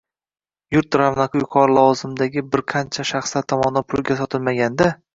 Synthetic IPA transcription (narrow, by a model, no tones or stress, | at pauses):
jʊɾt̪̚ɾavnaqʰɨjʊqʰɒɾlˠɒwɒzɪmd̪aɡʲɪbɪɾqʰɑnt͡ʃʰaʃaχslaɾt̪ʰɒmɒnapʰʊlˠɡʲasɒt̪ʰɪlmaɡʲand̪a